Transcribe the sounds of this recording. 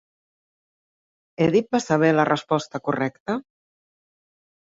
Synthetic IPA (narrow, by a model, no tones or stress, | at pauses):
eðit̪̚basaβ̞elarəspɔst̪akurɛkt̪ə